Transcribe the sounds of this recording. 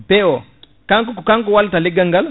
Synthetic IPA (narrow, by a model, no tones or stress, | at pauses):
bɛɔ | kaŋkukkaŋkuwaltalɪɡɐŋɡal